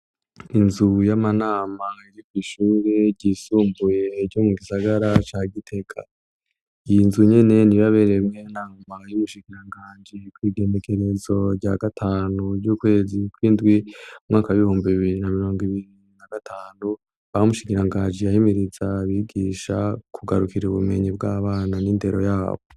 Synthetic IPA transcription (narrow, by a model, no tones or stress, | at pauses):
inzujamanaːmaiɾikwiːʃuːɾeɾɟiːsuːmbuje̞ɾɟo̞muɡisaɡaɾat͡ʃaːɡitʰe̞kʰa̰ | ijinzuɲe̞ne̞niβaβeɾemŋenaːmajumuʃikiɾaŋɡaːnd͡ʒikwiːɡe̞nde̞kʰe̞ɾe̞zo̞ɾɟa̰ɡatʰaːnuɟuːkwe̞ːzikwiːndɡwiumŋaːkawiβihuːmbiβiβiɾinamiɾo̞ːŋɡiβiɾi | naɡ̥atʰaːnu | βahumuʃi̥kiɾaŋɡaːɲd͡ʒijahimiɾiz̥aβiːɡiːʃakʰuɡaɾukiɾeuβume̞̰ɲib̚ɡaːβaːnaninde̞ɾo̞jaːβo